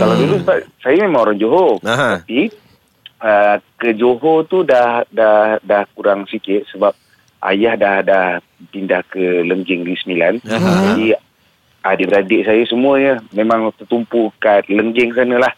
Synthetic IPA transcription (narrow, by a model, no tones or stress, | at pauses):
kaladulusəbaʔsajamẽmãŋoɾaŋd͡ʒoɦot̪api | əkəd͡ʒoɦot̪udahdahdahkuɾaŋsikɪt̪̚səbap̚ | ʔa̰jahdahdah | pindahkələŋɡɪŋdisəmiland͡ʒadi | adəʔbəɾadɪʔsajəsəmuəɲəmemãŋt̪ərt̪umpukat̪ləŋɡɪŋs̬anəlah